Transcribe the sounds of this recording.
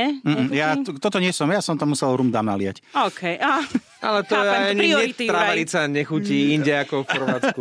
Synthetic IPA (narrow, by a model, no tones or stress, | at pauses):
m̩ːm̩jat̪ɔt̪ɔɲɪɛsɔmjasɔmt̪amːusɛlɾumd̪aːmnalɪa̰cɔːkʰɛja | ʔa̰lɛt̪ɔjɛaɲiɛt̪ɾaalit͡saɲɛxuciːinɟɛakɔfpɔɾʋat͡sku